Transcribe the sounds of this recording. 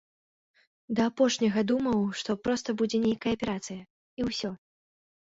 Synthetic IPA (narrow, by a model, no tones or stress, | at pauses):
d̪ɐːpɔʂnʲɐɣɐd̪umɐwʂt̪ɔpɾɔst̪ɐbud͡zʲɛnʲejkɐjɐpʲɛɾat̪sɨjɐ | iwsʲɔ